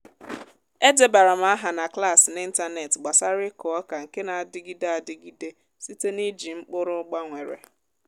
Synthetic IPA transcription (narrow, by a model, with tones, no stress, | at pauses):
e˦de˨ba˨ɾa˨m̩a˦a˦ɦa˨na˨kla˦˨sɪ˨nɪ˦n̩˦ta˦ne˨tɡ͡ba˨sa˦ɾɪ˦kɔ˨ɔ˦ka˨ŋ̩˨ke˦na˨a˨dɪ˦ɡi˦de˦a˨dɪ˦ɡi˦de˦ | si˦te˦ni˦d͡ʒi˨ŋ͡m̩˦k͡pʊ˦ɾʊ˦ɡ͡ba˦ŋʷe˨ɾḛ˨